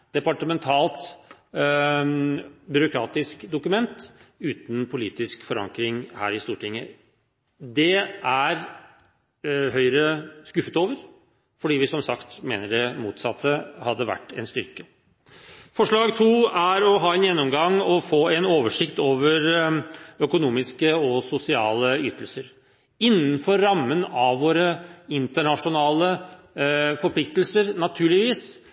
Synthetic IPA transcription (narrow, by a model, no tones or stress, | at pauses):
d̪̥ɛpɑʈəmɛnt̪ʰɑːlt̪ | bʏɾʊkʰɾɑːt̪ɪskd̪ʊkʉmɛnt̪ʉːt̪n̩pʰʊliːt̪ɪskfɔɾɑ̰ŋkɾɪŋhæ̰ːɾɪst̪uːʈɪŋːə̰ | d̪ɛʔæɾ | ɦœʏɾəskʉfət̪oːʋəɾ | fɔɖiːʋɪsɔmsɑkt̪meːnəɖɛmuːt̪sɑt̪ʰːəhɑd̪ːəʋæ̰ʈːɛ̰nst̪ʏɾkə | fɔʂɭɑːɡt̪ʰuːæɾɔɦɑːɛnjɛnːʊmɡɑŋɔfoːɛnoːʋəʂɪkt̪oːʋəɾ | œkʊnuːmɪskəɔsʊsɪɑ̰ːləyːt̪əlsəɾ | ɪnːənfɔɾːɑmːənɑʋʋoːɾəɪnt̪əɳɑʂʊnɑːlə | fɔɾpʰlɪkt̪lsəɾnɑt̪ʰʉːɭɪʋiːs